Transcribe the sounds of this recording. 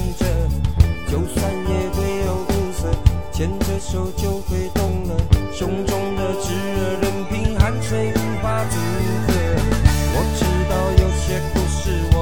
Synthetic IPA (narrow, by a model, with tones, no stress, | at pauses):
ŋʈ͡ʂə˥˧t͡ɕjo˨˧˥ʊswa˥˧njɛ˨˧˩t̪we˥ɪjo˨˩ʊku˥˧˩sə˧˩t͡ɕʰjɛ˧˥nʈ͡ʂə˥˧ʂo˧˥ʊt͡ɕjo˥˧ʊxwe˧˥ɪt̪ʊ˥˩ŋlə˨˩ɕʊ˧˥ŋʈ͡ʂʊ˥ŋd̪ə˨ʈ͡ʂɻ̩˧˥ə˧ɻə˧˥npi˧˥ŋxa˧˥nswe˥ɪi˥fa˥ʈ͡ʂ̩˧˨˩i˥t͡sɛ˥˩wɔ˨˩ʈ͡ʂɻ̩˥t̪ɑ˥˩ʊjo˨˩ʊɕjɛ˥pu˧˥ʂɻ̩˥˩wɔ˨˦